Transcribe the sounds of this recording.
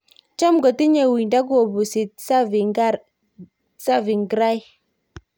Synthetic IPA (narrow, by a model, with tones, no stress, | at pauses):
t͡ʃa˦mɡɔ˨ti˦ɲe˨wi˨nda˦ɡɔ˨bu˨si˨t̚sa˦vi˨ŋɡa˦ɾ | sa˦vi˨ŋɡɾa˦j